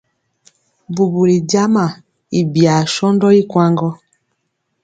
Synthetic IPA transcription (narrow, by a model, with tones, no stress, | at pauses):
bu˨bu˨ɾi˨da˦ma˨ | i˨bja˨ʃɔ˦ndɔ˦i˦kwa˦ŋɡɔ˦